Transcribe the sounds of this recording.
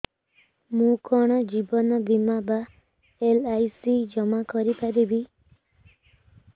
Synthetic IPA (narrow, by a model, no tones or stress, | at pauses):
mũkɔɽ̃ɔd͡ʒibɔnɔb̪imaba | elajsid͡ʒɔmakɔɾipad̪ebi